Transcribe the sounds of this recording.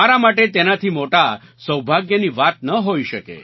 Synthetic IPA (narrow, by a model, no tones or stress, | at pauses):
aɾamaʈet̪enat̪ʰiːmoʈa | səwbʱaɡjəniʋat̪nəɦoiʃəkḛ